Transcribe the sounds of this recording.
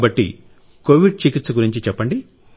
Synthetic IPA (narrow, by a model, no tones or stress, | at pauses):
bɐʈːḭ | koːʋiɖ̚t͡ʃikit̪sɐɡuɾiɲt͡ʃit͡ʃɛpːɐɳɖi